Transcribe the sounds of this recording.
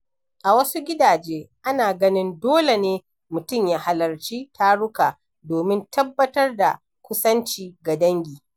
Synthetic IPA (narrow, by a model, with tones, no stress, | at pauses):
ʔa˨wɐ˦su˦ɡʲɪ˦daː˨d͡ʒeː˦ʔa˦naː˨ɡɐ˦nɪ˦ndoː˦le˨neː˦ | mʊ˨tʊ˦˨mjaː˦ha˨lɐ˨rt͡ʃiː˦tʰa˦ɽʊ˦kaː˨ | doː˨mɪ˦ntʰɐ˦bːɐ˦tɐ˦rda̰˨ | kʷʊ˦sɐ˦nt͡ʃiː˨ɡa˨dɐ˦ŋɡʲiː˨